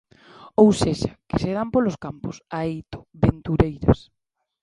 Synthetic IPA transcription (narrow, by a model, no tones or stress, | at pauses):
owseʃakɪseðampoloskamposaejt̪o̥βent̪uɾejɾɐ̰s